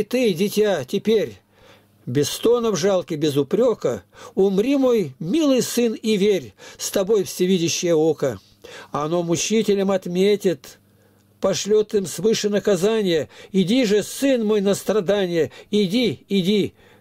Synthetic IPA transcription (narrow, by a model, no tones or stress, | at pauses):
t̪ɨdʲɪtʲatʲɪpʲeɾʲ | bʲɪst̪o̞nəvʐalˠkʲɪbʲɪzʊpɾʲo̞kəʊmɾʲimo̞jmʲilˠɨjsɨnivʲerʲst̪ɐbo̞jfsʲɪvʲidʲɪɕːɪjəokə | ɐno̞mʊt͡ɕitʲɪlʲəmɐt̪mʲetʲɪt̪ | pɐʂlʲo̞t̪ɨmsvɨʂɨnəkɐzanʲɪjəɪdʲiʐɨsɨnmo̞jnəst̪ɾɐd̪anʲɪjəɪdʲiɪdʲi